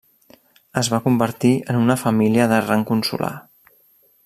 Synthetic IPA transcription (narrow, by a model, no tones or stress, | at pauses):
əzβakumbəɾt̪iənunəfəmiliəðəraŋkunsṵlʔa̰